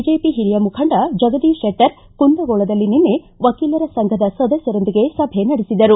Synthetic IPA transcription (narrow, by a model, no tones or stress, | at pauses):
d͡ʒeːpiɦiɾijɐmukʰɐɳɖɐd͡ʒɐɡɐd̪iːʃeʈːɐɾ | kund̪ɐɡoːɭɐd̪ɐlːininːe | ʋɐkiːlɐɾɐsɐŋɡʱɐd̪ɐsɐd̪ɐsjɐɾo̞nd̪iɡe̞sɐbʱe̞nɐɽesid̪ɐɾu